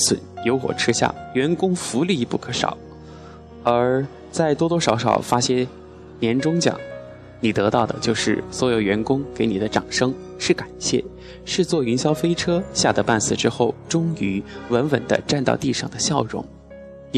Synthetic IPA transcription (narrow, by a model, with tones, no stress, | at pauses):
swə̰˨˩˦njo˧˥ʊxwɔ̰˨˩ʈ͡ʂʰɻ̩˥ɕja̰˥˩ɥɛ˧˥nkʊ˥ŋfu˧˥li˥˧˥pu˥˩kʰɤ˧˥ʂɑ̰˨˩˦ʊ | ə˞˧˥ | t͡sa˥˩ɪt̪wɔ˥t̪wɔ˥ʂɑ˧˥ʊʂɑ̰˨˩ʊfa˥ɕjɛ˥ | njɛ˧˥nʈ͡ʂʊ˥ŋt͡ɕjɑ̰˨˩˦ŋ | ni˨˩t̪ɤ˧˥t̪ɑ˥˩ʊd̪ə̰˩t͡ɕjo˥˧ʊʂɻ̩˥˩swɔ˧˥jo˨˩ʊɥɛ˧˥nkʊ˥ŋke˧˥ɪni˨˩d̪ə˦ʈ͡ʂɑ˨˩ŋʂɤ˥ŋ | ʂɻ̩˥˩ka˨˩nɕjɛ̰˥˩ | ʂɻ̩˥˧t͡swɔ˥˩y˧˥nɕjɑ˥ʊfe˥ɪʈ͡ʂʰɤ˥ɕja˥˩t̪ə˧˩pa˥˩nsɹ̩˥˩ʈ͡ʂɻ̩˥xo˥˩ʊʈ͡ʂʊ˥ŋy˧˥wə˧˥nwə˨˩nd̪ə̰˦ʈ͡ʂa˥˧nt̪ɑ˥˧ʊt̪i˥˧ʂɑ̰˥˩ŋd̪ə˦ɕjɑ˥˩ʊɻʊ̰˧˥ŋ